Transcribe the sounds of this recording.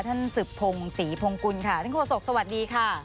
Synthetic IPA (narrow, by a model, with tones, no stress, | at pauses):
t̪ʰa˥˩nsɯ˨˩pʰːo˧ŋsiː˩˦pʰo˧ŋku˧nkʰa˦˥˩a˥˩nkʰoː˧˩so˨˩k̚sa˧wa˨˩t̪̚diː˧kʰa˥˩